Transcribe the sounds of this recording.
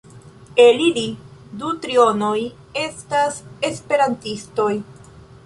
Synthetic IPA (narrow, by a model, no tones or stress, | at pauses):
elilidutɾio̞no̞j | e̞stase̞spe̞ɾantisto̞j